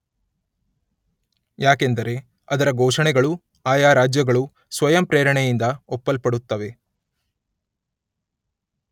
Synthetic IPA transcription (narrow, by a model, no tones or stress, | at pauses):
jaːkend̪ɐɾe̞ | ɐd̪ɐɾɐɡɔːʂɐɳɛɡɐɭu | aːjaːɾaːd͡ʒjɐɡɐɭu | sʋɐjɐmpɾeːɾɐɳɛjind̪ɐɔpːɐlpɐɽut̪ːɐʋe̞